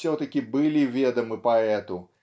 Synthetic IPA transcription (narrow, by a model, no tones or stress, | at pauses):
sʲɔt̪ɐkʲibɨlʲivʲed̪ɐmɨpɐɛt̪ʊ